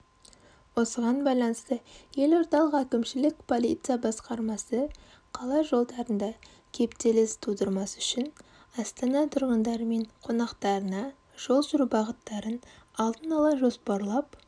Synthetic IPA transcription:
wo̞səʁɑnbɑjlˠɑnəst̪əje̞lo̞ɾt̪ɑlˠəqækʲɪmʃɪlɪkpʰo̞lˠijt̪sɨjabɑsqɑɾmɑsə | qʰɑlˠɑʒo̞lˠd̪ɑɾənd̪ɑ | kʲʰe̞pt̪elɪst̪ʰud̪əɾmɑsʏʃɪn | ɑst̪ɑnɑt̪ʰʊɾʁənd̪ɑɾəme̞ɴqʰo̞nɑqt̪ɑɾənɑ | ʒ̥o̞lˠʒʊɾubɑʁət̪ːɑɾənɑlˠd̪ənɑlˠɑʒo̞spɑɾlˠɑp

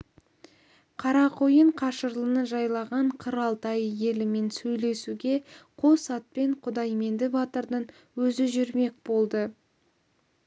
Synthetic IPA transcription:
qʰɑɾɑqʰojəɴqʰɑʃəɾlˠənəʒɑjlˠɑʁɑɴqʰəɾɑlˠt̪ɑjje̞lɪme̞nsɵjle̞suɡʲe̞qʰo̞sɑt̪̚pe̞ɴqʰʊd̪ɑjme̞nd̪ɪbɑt̪əɾd̪əɴ | wɵzɪʒʏɾme̞k̚ʲbo̞lˠd̪ə

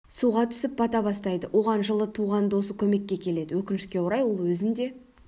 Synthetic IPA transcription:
suʁɑt̪ʰʏ̥sɪp̚bɑt̪ɑbɑst̪ɑjd̪əwʔo̞ʁɑnʒəlˠət̪ʰuʁɑnd̪wosəkʲʰɵme̞kʲːe̞kʲʰe̞le̞d̪ɪwɵkʲɪnɪʃkʲe̞woɾɑjwo̞lˠwɵzɪnd̪e̞

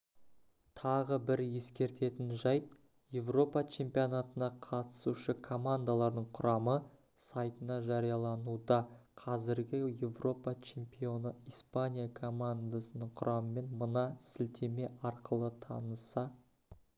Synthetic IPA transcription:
t̪ʰɑʁəbɪɾje̞skʲe̞ɾt̪e̞t̪ɪnʒɑjp | je̞vro̞pɑt͡ʃʰe̞mpijonat̪ənɑqʰɑt̪ə̥suʃəkʰo̞mand̪alˠɑɾd̪əɴqʰʊɾɑmə | sajt̪ənɑʒɑɾijɑlˠɑnud̪ɑ | qʰɑzɪɾɡʲɪje̞vro̞pat͡ʃʰe̞mpio̞nəijspanʲijakʰo̞mand̪asənəɴqʰʊɾɑməme̞nmənɑsɪlt̪ʰe̞me̞ʔɑɾqəlˠət̪ʰɑ̰nəsɑ

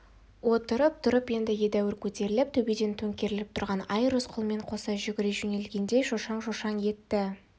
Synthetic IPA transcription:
wo̞t̪əɾəp̚t̪ʰʊɾəpje̞nd̪ɪje̞d̪æwɪɾkʲʰɵt̪e̞ɾɪlɪp̚t̪ʰɵbed̪e̞nt̪ʰɵŋkʲe̞ɾɪlɪp̚t̪ʰʊɾʁɑnɑjɾosqʰʊlˠme̞ɴqʰo̞sɑʒʏɡʲɪɾeʒʏne̞lɡʲe̞nd̪e̞ʃoʃɑɴʃoʃɑɴje̞t̪ːɪ

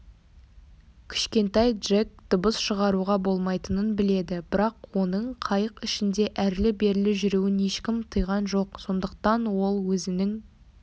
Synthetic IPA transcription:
kʲʰɪ̥ʃkʲe̞nt̪ɑjd̪ʒek̚d̪̥ʊbəsʃəʁɑɾuʁɑbo̞lˠmɑjt̪ənənbɪle̞d̪ɪbɪɾɑqwo̞nəɴqʰɑjəqɪʃɪnd̪e̞ʔæɾlɪbe̞ɾɪlɪʒʏɾuwɪne̞ʃkʲɪmt̪ʰəjʁɑnʒo̞qso̞nd̪əqt̪ɑnwo̞lˠwɵzɪnɪŋ

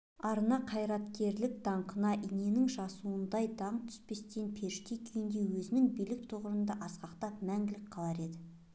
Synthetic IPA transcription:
ɑɾənɑqʰɑjɾɑt̪kʲe̞ɾlɪk̚d̪̥ɑɴqʰənɑʔine̞nɪŋʒɑsuənd̪ɑjd̪ɑɴt̪ʰʏ̥spe̞st̪enpʰe̞ɾʃt̪ekʲʰʏjɪnd̪e̞wɵzɪnɪŋbijlɪk̚t̪ʰoʁəɾənd̪ɑʔɑsqɑqt̪ɑpmæŋɡʲɪlɪk̚qʰɑlˠɑɾe̞d̪ɪ

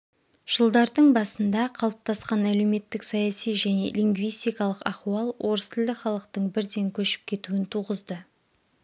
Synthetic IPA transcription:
ʒ̥əlˠd̪ɑɾd̪əɴbɑsənd̪ɑqʰɑlˠəp̚t̪ɑsqɑnæle̞wme̞t̪ːɪksɑjɑsijʒæne̞̰liŋɡvijst̪ijkɑlˠəqɑχuɑlˠwʔo̞ɾəst̪ʰɪld̪ɪχɑlˠəqt̪əɴbɪɾd̪e̞ŋkʲʰɵʃɪ̥p̚kʲʰe̞t̪uɪnt̪ʰuʁəzd̪ə

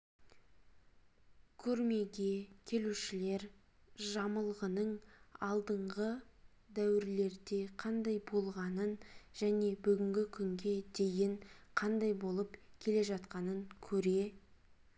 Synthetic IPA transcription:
kʲʰɵɾme̞ɡʲe̞kʲʰe̞luʃɪle̞ɾ | ʒɑməlˠʁənəɴɑlˠd̪əɴʁə | d̪æwɪɾle̞ɾd̪e̞qʰɑnd̪ɑjbo̞lˠʁɑnənʒ̥æne̞bʏɡʲɪŋɡʲɪkʲʰʏŋɡʲe̞d̪e̞jɪɴqʰɑnd̪ɑjbo̞lˠəpkʲʰe̞le̞ʒɑt̪qɑnəŋkʲʰɵɾe̞

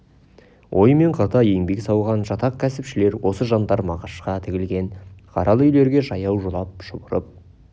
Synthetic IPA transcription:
wʔo̞̰jme̞ɴqʰɑt̪ɑje̞ŋbe̞ksɑwʁɑnʒɑt̪ɑq̚kʲʰæsɪpʃɪle̞ɾwo̞səʒɑnd̪ɑɾmɑʁɑʃqɑt̪ʰɪɡʲɪlɡʲe̞nqʰɑɾʔɑlˠəʏjle̞ɾɡʲe̞ʒɑjɑwʒolˠɑp̚ʃʊbəɾəp̚

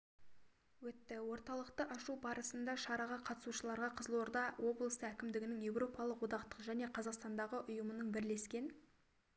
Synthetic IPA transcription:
wɵt̪ːɪwo̞ɾt̪ɑlˠəqt̪əʔɑʃubɑɾəsənd̪ɑʃɑɾɑʁɑqʰɑt̪ə̥suʃəlˠɑɾʁɑqʰəzəlˠo̞ɾd̪ɑwʔo̞blˠəsəækʲɪmd̪ɪɡʲɪnɪŋje̞wro̞pɑlˠəqwo̞d̪ɑqt̪ə̥qʒæne̞qʰɑzɑqst̪ɑnd̪ɑʁəʔʊjəmənəɴbɪɾle̞skʲe̞n

